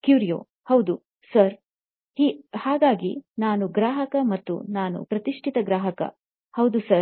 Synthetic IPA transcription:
kjuːɾijo̰ː | hɐwd̪u | sɐɾ | hiːhaːɡaːɡḭnaːnuɡɾaːɦɐkɐmɐt̪ːṵnaːnṵpɾɐt̪iʂʈʰit̪ɐɡɾaːɦɐkɐ̰ | hɐwd̪usɐɾ

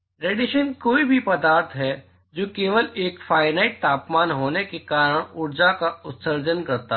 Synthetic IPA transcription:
ɾeːɖɪʃənkoːibʱipɐd̪aːɾt̪ʰɦɛ | d͡ʒoːkeːʋəleːkfaːɪnaːɪʈ̚t̪aːpmaːnɦoːnekekaːɾəɽ̃ʊɾd͡ʒakaʊt̪səɾd͡ʒənkɐɾt̪a

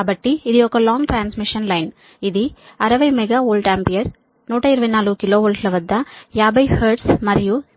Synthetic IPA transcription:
bɐʈːiɪðɐjokːɐlaːŋʈɾaːnsmɪʂɐnlɐɪn | ɪðiɐɾɐʋɐɪmɛɣɐoːlɖaːmpɪjɐɾ | nuːʈːɐɪɾɯbɐt̪ːɪnaːlɯɯkɪloːoːlɖlɐʋɐd̪ãːjaːbɐɪhɐɾʈsmɐɾɪju

